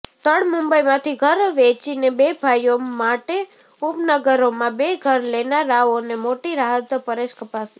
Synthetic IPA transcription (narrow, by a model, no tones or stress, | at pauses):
t̪əɽmʊmbəjmãt̪ʰiɡʱəɾʋet͡ʃinebebʱajomaʈe | upnəɡəɾomãbeɡʱəɾlenaɾaʋonemoʈiɾaɦət̪pəɾeʃkəpasi̥